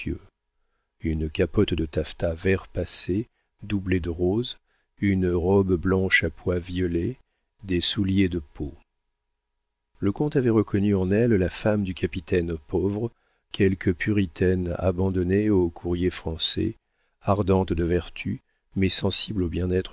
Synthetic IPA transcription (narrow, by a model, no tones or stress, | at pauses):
ø̰ | ynkapɔt̪d̪ət̪aft̪avɛʁpase | d̪ubled̪əʁoz | ynʁɔbblɑ̃ʃapwavjɔle | d̪esuljed̪əpʰo | ləkɔ̃t̪avɛʁəkɔnyɑ̃nɛllafamd̪ykʲapit̪ʰɛnpɔvʁə | kʲʰɛlkʰəpʰyʁit̪ʰɛna̰bɑ̃d̪ɔneokʰuʁjefχɑ̃sɛ̰ | aʁd̪ɑ̃t̪d̪əvɛʁt̪ʰy | mɛsɑ̃siblobjɛ̃nɛt̪χ